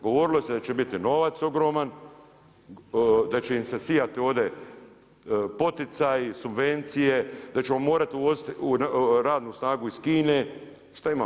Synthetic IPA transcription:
ɡo̞ʋo̞ɾilosed̪at͡ʃebit̪ino̞ʋat̪so̞ɡɾo̞man | d̪at͡ɕeimsesijat̪io̞ːʋd̪e̞ | po̞t̪it̪sajsubʋe̞nt̪sije̞d̪at͡ɕe̞mo̞mo̞ːɾat̪iuʋozit̪unɾaːd̪nusnaːɡuiskiːne | ʃt̪aima

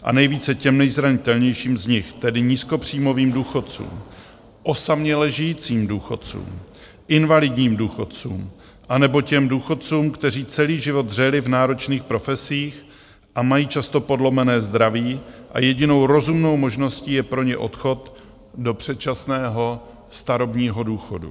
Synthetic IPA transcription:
ʔa̰nɛjviːt͡sɛcɛmnɛjzɾaɲɪt̪ɛlɲɛjʃiːmzɲɪxt̪ɛdɪɲiːsko̞pr̝̥iːmo̞viːmduːxo̞t̪̚t͡sṵːm | ʔo̞samɲɛlɛʒɪjit͡siːmduːxo̞t̪t͡sṵːm | ʔɪnvalɪdɲiːmduːxo̞t̪t͡sṵːm | ʔanɛbo̞cɛmduːxo̞t̪̚t͡suːmkt̪ɛr̝iːt͡sɛliːʒɪvo̞d̪r̝ɛlɪvnaːɾo̞t͡ʃniːxpɾo̞fɛsiːx | ʔamajiːt͡ʃast̪o̞po̞dlo̞mɛnɛːzd̪ɾaviːʔa̰jɛɟɪno̞wɾo̞zumno̞wmo̞ʒno̞sciːjɛpɾo̞ɲɛʔo̞t̪xo̞t̪ | do̞pr̝̥ɛt̪̚t͡ʃasnɛːɦo̞ | st̪aɾobɲiːɦo̞duːxo̞dṵ

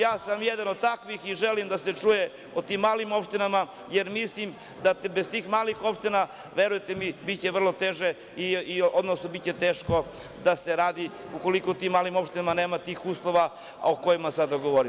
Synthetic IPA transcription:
jaːsamjed̪anod̪̚t̪akʋixiʒelimd̪ase̞t͡ʂuje | ot̪imːaːlimo̞pʃt̪inama | jeɾmislim | d̪at̪bezt̪iːxmaːlixo̞pʃt̪ina | ʋe̞ɾujet̪emibit̪t͡ɕeʋr̩lˠo̞t̪eːʒe | iiod̪nosnobit̪ʲt͡ɕet̪eːʃko̞ | d̪aseɾaːd̪i | uko̞likot̪imːaːlimo̞pʃt̪inamane̞ːmat̪iːxuːslˠo̞ʋa̰ | okojimasad̪aɡo̞ʋoɾi

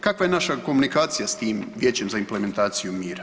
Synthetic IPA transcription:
kakʋaje̞naʃako̞munikaːt̪sijast̪iːmʋʲje̞ːt͡ɕe̞mzaimpleme̞nt̪aːt̪sijumiːɾa

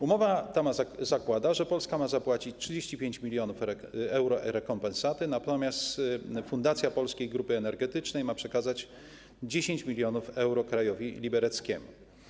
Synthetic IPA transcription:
umɔvat̪amazakwad̪aʐɛpɔlskamazapwat͡ɕit͡ɕtʂɘd͡ʑeɕt͡ɕipʲjeɲt͡ɕmʲilʲjɔnufɛwɾɔʔɾɛkɔmpɛnsat̪ɘnat̪ɔmʲjast̪fund̪at̪sʲjapɔlskʲejɡɾupɘɛnɛɾɡɛt̪ɘt͡ʂnɛjmapʂɛkazat͡ɕ | d͡ʑeɕeɲt͡ɕmʲilʲjɔnufɛwɾɔkɾajɔvʲilʲibɛɾɛt̪skʲemṵ

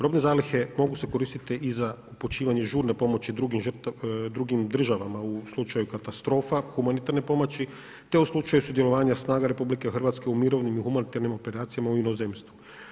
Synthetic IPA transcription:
ɾo̞ːbne̞zaːlixe̞mo̞ɡuse̞ko̞ɾiːst̪it̪iʔizaupot͡ʃiːʋaɲe̞ʒuːɾne̞po̞mo̞t͡ɕid̪ɾuɡimʒɾt̪d̪ɾuɡimd̪r̩ʒaʋamauslˠut͡ʃajukat̪ast̪ɾo̞ːfaxumanit̪aɾne̞po̞mot͡ɕi | t̪e̞uslˠut͡ʃajusud̪je̞lo̞ʋaːɲasnaːɡaɾe̞publike̞xr̩ʋat̪ske̞umiɾo̞ʋnimixumanit̪aɾnimo̞pe̞ɾaːt̪sijamauino̞zemst̪ʋu

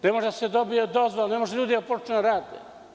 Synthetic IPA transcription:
nɛmoʒd̪ased̪obied̪ozvolnɛmoʒd̪ʎud̪iɐpoɾt̪unɐɾad̪ḛ

